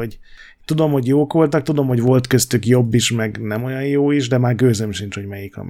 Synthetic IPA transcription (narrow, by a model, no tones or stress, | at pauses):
o | t̪ud̪o̞mho̞ɟjoːko̞lt̪ɒk̚t̪ud̪o̞mho̞ɟvo̞lt̪kø̞st̪ykjo̞bːiʃmɛɡnɛmo̞jɒjjoːiʒd̪ɛmaːrɡøːzømʃint͡ʃho̞ɟmɛjikɒ̰m